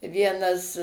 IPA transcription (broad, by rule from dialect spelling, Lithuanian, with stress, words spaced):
ˈʋʲiɛnɐs